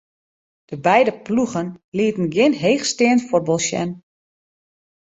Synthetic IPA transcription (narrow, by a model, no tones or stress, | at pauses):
d̥əbɛjdəpluɣənliətən̩ɡjɪnɦeːxstɪəntfɔrbolˠʃjɛ̰n